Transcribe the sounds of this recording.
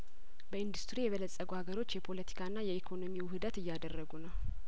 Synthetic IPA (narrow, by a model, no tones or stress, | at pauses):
bəɨnd̪ust̪ɾijɛβələsʼːəɡuhaɡəɾo̞t͡ʃːjɛpʰo̞lət̪ʰi̥kʰaɨnːajɛekʰo̞no̞miwʊhɨd̪ət̪ɨjːad̪ərːəɡunəw